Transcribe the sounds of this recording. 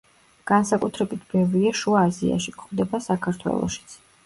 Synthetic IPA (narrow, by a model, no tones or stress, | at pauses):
ɡ̥ansakʼut̪ʰɾɛbit̪ʰbɛvɾiaʃuaːzia̰ʃikʰʼχd̪ɛbasakʰaɾt̪ʰwɛ̰lˠɔ̰ʃi̥t̪sʰ